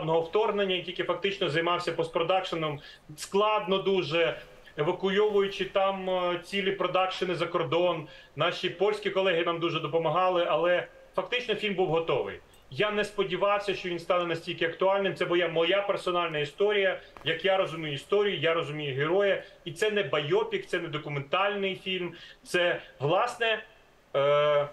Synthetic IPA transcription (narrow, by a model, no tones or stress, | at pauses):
nɔɦɔwt̪ɔrɦnenʲːɐjtʲilʲkʲɪfɐk̚t̪ɪt͡ʃnɔzɐjmɑwsʲɐpɔspɾɔd̪ɑkʃɪnɔm | sklˠɑd̪̚nɔd̪uʒɛ | eʋɐkʊjɔʋʊjʊt͡ʃɪt̪ɑmt͡sʲilʲipɾɔd̪ɑkʃɔnɪzɐkɔrd̪ɔn | nɑʃʲipɔlʲsʲkʲikɔlˠɛɦɪnɑmd̪uʒɛd̪ɔpɔmɐɦɑlˠɪʔɐlˠɛ | fɐkt̪ɪt͡ʃnɔfʲilʲmbuwɦɔt̪ɔʋɪ̰j | janɛspɔdʲiʋɑwsʲɐʃt͡ʃɔʋinst̪ɑnɛnɐsʲtʲilʲkɪɐkt̪ʊɑlʲnɪmtsɛbʊjˠamɔjapɛrsɔnɑlʲnɐist̪ɔɾʲijɐjɐkjaɾɔzʊmʲijʊist̪ɔɾʲijʊjaɾɔzʊmʲijʊɦeɾɔjɛit̪sɛnɛbɐjɔpʲik̚t̪sɛnɛd̪ɔkʊment̪ɑlʲnɪjfʲilʲmt̪sɛʋlˠɑsnɛ